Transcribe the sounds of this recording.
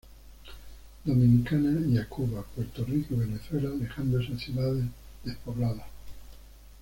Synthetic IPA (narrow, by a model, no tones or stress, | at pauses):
d̪o̞mĩnikanajakuβapwe̞ɾt̪orikoβe̞neθwe̞lalexand̪oesaθjuðaðeðe̞hpoβlaða